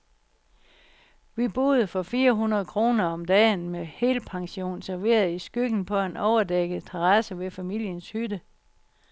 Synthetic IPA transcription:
ʋib̥o̝ð̞ˠfɒ̽fiːɐɦunɐð̞̩ˠkʰʁo̝ːnɐɒ̽md̥ɛːnmehe̝̰lpʰɑ̈ŋɕo̝̰ːnsæɐʋe̝̰ːɐð̞ˠisɡ̥yɡ̥n̩pʰɒ̽e̝nʔɒʊɐd̥eɡ̥ð̩ˠt͡sʰeʁɑsəʋe̝fæmil̰jənshyd̥ə

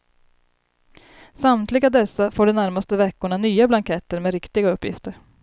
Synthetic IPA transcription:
samt̪lɪɡad̪ɛsːafoːɖɛnæɾmast̪əvɛkːʊɳanyːablaŋkʰɛt̪əɾmɛɾɪkt̪ɪɡaɵpːjɪ̰ft̪əɾ

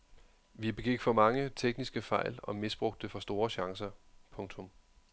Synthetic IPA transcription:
ʋib̥e̝ɡ̥iɡ̥fɒ̽mɑ̈ŋət͡sʰeɡ̥nisɡ̥əfɑ̈ɪ̰lɒ̽misb̥ʁɔ̽ɡ̥̚d̥efɒ̽sd̥o̝ːɐɕɑ̈ŋsɐpʰɔ̽ŋt͡sʰɔ̽m

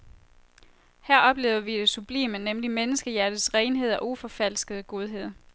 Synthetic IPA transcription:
hæɐ̰ɒ̽b̥le̝ːʊɐʋid̥esub̥lḛːmənemlimenəsɡ̥əjæɐd̥ð̩ˠsʁɛɪnɦe̝ð̰ˠɒ̽ʔufɒ̽fæl̰sɡ̥əð̩ˠɡ̥o̝ð̞ˠɦe̝ð̰ˠ

